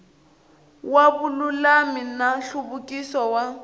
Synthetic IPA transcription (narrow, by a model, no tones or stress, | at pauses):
wabʊlulaminaɬubʊkʼisɔwa